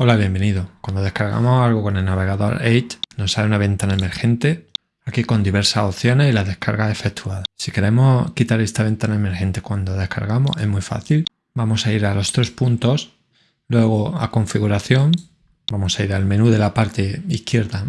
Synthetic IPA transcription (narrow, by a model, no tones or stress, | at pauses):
olaβje̞mbe̞niðo̞kwand̪oðehkaɾɣa̰mosalɣo̞ko̞ne̞lnaβ̞e̞ɣaðo̞̰ɾejt͡ʃno̞saβeunaβ̞e̞nt̪anaeme̞ɾxe̞nt̪e̞ | akiko̞nd̪iβe̞ɾsaso̞θjo̞ne̞silaðe̞hkaɾɣae̞fe̞kt̪ʰuaðasike̞ɾe̞mo̞kit̪aɾe̞st̪aβ̞e̞nt̪anaeme̞ɾxe̞nt̪e̞kwand̪o̞ð̞e̞hka̰ɾɣamo̞̰se̞zmwujfa̰θil | bamo̞saiɾalo̞st̪ɾe̞spunt̪o̞s | lwe̞ɣ̞o̞a̰ko̞ɱfiɣuɾaθjo̞ŋ | bamo̞saiɾalmẽ̞nuðe̞lapaɾt̪e̞ihkje̞ɾða